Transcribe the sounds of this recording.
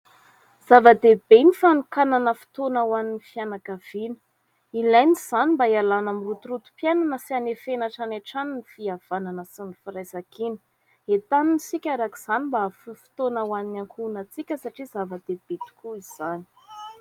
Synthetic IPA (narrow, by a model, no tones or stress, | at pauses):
z̥avad̪ebenifanukananəfi̥t̪onawaninifianakav̥inə̥ | ilajniz̥animbaialanamirut̪uɾut̪u̥pjananəsianefenaʈ͡ʂanaʈ͡ʂannifiav̥ananəsinifiɾajzakinə̥ | et̪anunisikʲaɾakiz̥animbafufi̥t̪onawaninaŋkʰunat͡sikʲəsaʈ͡ʂizavad̪eb̥et̪u̥kʰuiz̥ani̥